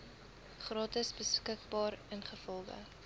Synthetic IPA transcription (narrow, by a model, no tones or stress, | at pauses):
χrɑːtəsbəskək̚bɑːɾənχəfɔlˠχə̰